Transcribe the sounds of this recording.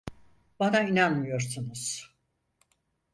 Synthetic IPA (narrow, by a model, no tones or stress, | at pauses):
banainanmɯjo̞ɾsunuz̥